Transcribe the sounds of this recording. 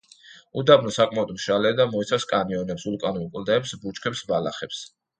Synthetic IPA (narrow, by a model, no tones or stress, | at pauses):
ud̪abnɔsakʼmaɔd̪mʃalɛd̪amɔit̪sʰafskʼaniɔnɛpsulˠkʼanulˠkʼld̪ɛːpsbut͡ʃkʰɛpsbala̰χɛps